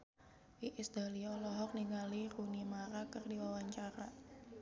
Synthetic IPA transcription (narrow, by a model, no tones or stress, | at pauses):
ʔiʔɪsd̪a̤liɔlɔɦɔk̚niŋalirunimaɾakərdiwawaɲt͡ʃaɾa